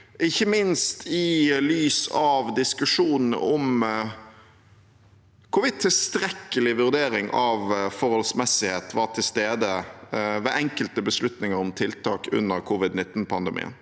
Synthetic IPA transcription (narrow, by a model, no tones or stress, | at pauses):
ʔɪçːəmɪnst̪ʰɪlyːsɑʋd̪ɪskʉʂuːnn̩ə̰ɔm | kʰʊʋɪt̪ʰɪlst̪ɾɛkːəlɪʋʉʁd̪eːɾɪŋʔɑʋfɔɾhɔlsmɛsːɪheːt̪ʋɑʁʈ̪ʰɪlst̪eːd̪əʋɛʔɛŋkəlt̪əbəslʉt̪nɪŋəɾɔmt̪ʰɪlt̪ʰɑːkʉ̰nːəɾkʰʊʋɪd̪nɪt̪ːn̩pʰɑnd̪əmʔḭːə̰n